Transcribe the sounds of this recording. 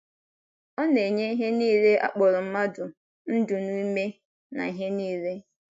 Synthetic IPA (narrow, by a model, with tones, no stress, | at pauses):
ɔ˦ne˨ɲe˦i˦ɦe˦niː˦ɾe˦ʔa̰˦k͡pɔ˨ɾʊ˨m̩˦ma˦dʊ˨ | n̩˦dʊ˨nu˦i˦me˦ | na̰˨i˨ɦe˦niː˦ɾe˦